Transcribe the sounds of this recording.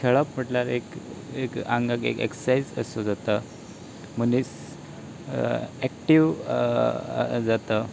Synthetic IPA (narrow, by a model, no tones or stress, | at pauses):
kʰeɭapm̤əʈlaɾekekaŋɡakḛkḛksaid͡zə̰sod͡zat̪ə | m̤ənis | ɛkʈiʋ | d͡zat̪ə